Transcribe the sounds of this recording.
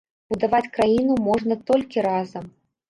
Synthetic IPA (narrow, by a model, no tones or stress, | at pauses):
bud̪avat͡sʲkɾajinumɔʐnɐt̪ɔlʲkʲiɾazɐm